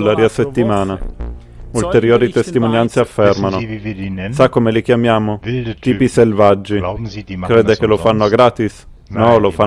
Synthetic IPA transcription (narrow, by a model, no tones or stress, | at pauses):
lːaɾiaset̪ːimaːna | ult̪eɾjoːɾit̪est̪imonjant̪seafːɛrmano | sakːomelik̟jamjaːmot̪iːpiselvad͡ʒːikɾeːd̪ekelofanːoaɡɾaːt̪is | nɔlofa